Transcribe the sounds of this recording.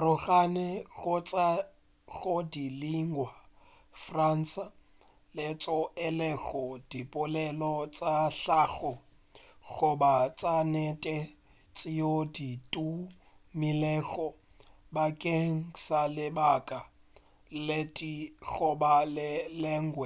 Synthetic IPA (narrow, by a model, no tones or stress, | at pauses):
rʊɣanɛɣʊt͡sʼa | ɣodiliŋwa | fran̩sa | lɛt͡sʼɔɪlɛɣɔd̥ipʼʊlɛlɔt͡sʼaɬaɣɔ | ɣʊbat͡sʼanɛtʼɛ | t͡sʼɪjoditʼu | mɪlɛɣɔ | bakʼeŋ̩salɪbakʼa | letʼiɣʊbalɪlɛŋ̩ɡwɛ